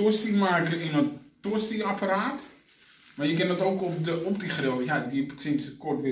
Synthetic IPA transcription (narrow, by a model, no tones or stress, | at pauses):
usimarkəɪnətusiapəɾaːt | majəkɪndɔtoːkɔpdəɔpdiχrojadiksɪnsəkɔtʋɪ